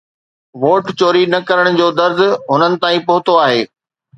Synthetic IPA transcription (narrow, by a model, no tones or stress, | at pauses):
ʋoːʈt͡ɕoːɾinɐkɐɾəɽ̃d͡ʑoːd̪ɐɾzʊ̆ɦʊnənɪ̆t̪aːĩpɐɦʊt̪oaːɦeː